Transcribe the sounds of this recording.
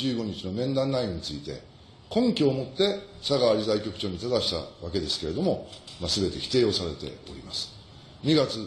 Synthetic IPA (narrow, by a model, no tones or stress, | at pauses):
ɨːɡo̞ɲ̟it͡ɕino̞mẽ̞nd̪ãnːaiɲ̟it͡sɨit̪e̞̰ | kõ̞ŋkʲo̞ːmo̞t̪ːe̞saɡaːɾʲizaikʲo̞kɯ̟̥t͡ɕo̞ːɲ̟it̪ad̪aɕi̥t̪a̰βake̞d̪e̞sɨ̥ke̞ɾe̞d̪o̞mo̞masɨbe̞t̪e̞çʲi̥t̪e̞ːo̞saɾe̞t̪e̞̰o̞̰ɾʲimasɨ̥ | ɲ̟iɡat͡sɨ